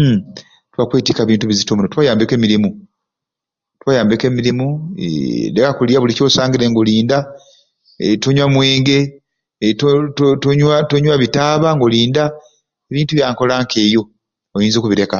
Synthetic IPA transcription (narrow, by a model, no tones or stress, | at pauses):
twakwe̞ːtikaβiːntuβizitomunotwaːjaːmbekemiɾimu | twaːjaːmbekemiɾimuḛdekakuliaβulico̞ːsaːŋɡiɾe̞ŋɡoliːnda | toɲwamwe̞ːŋɡe̞ | ttotoɲwatoɲwaβitaːβaŋɡoliːnda | eβiːntuβjaːŋko̞laŋke̞ːjo̞ | ojiːnzo̞ːkuβiɾe̞ka